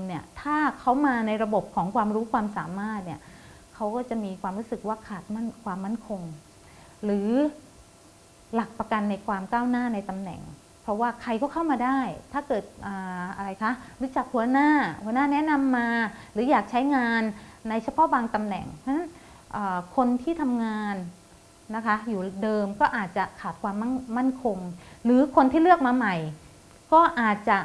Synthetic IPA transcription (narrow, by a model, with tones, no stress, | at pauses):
ni˥˩ɐt̪ʰaː˥˩kʰa˦˥wmaː˧na˧jɾa˧bo˨˩p̚kʰɔː˩˦ŋkʰwaː˧mɾuː˦˥kʰwaː˧msa̰ː˩˦maː˥˩t̪̚ni˦˥˩ɐ | kʰa˦˥wkɔː˥˩t͡ɕa˨˩miː˧kʰwaː˧mɾuː˦˥sɯ˨˩k̚waː˥˩kʰaː˨˩t̪̚ma˥˩nkʰwaː˧mːa˥˩nkʰo˧ŋ | ɾɯː˩˦ | la˨˩k̚pa˧ka˧nːa˧jkʰwaː˧mkaː˥˩wnaː˥˩na˧jt̪a˧mnɛ̰˨˩ŋ | pʰɾɔ˦˥waː˥˩kʰa˧jkɔː˥˩kʰa˥˩wmaː˧daː˥˩jt̪ʰaː˥˩kɤː˨˩t̪̚ʔaː˨˩ʔa˧ɾa˧jkʰa˦˥ɾu˦˥t͡ɕa˨˩k̚hu˧˩ɐnaː˥˩hu˩˦ɐnaː˥˩nɛ˦˥na˧mːaː˧ɾɯː˩˦jaː˨˩k̚t͡ɕʰa˦˥jŋaː˧nːa˧jt͡ɕʰa˧pʰɔ˦˥baː˧ŋt̪a˧mnɛ̰˨˩ŋt͡ɕʰa˧˥na˦˥n | ʔɤː˨˩kʰo˧nt̪ʰiː˥˩t̪ʰa˧mŋaː˧nː | a˦˥kʰa˦˥juː˨˩dɤː˧mkɔː˥˩ʔaː˨˩t̪̚t͡ɕa˨˩kʰaː˨˩t̪̚kʰwaː˧mːa˥˩nma˥˩nkʰo˧ŋɾɯː˨˩˦kʰo˧nt̪ʰiː˥lɯ˥˩ək̚maː˧ma˨˩j | kɔː˥˩ʔaː˨˩t̪̚t͡ɕa˨˩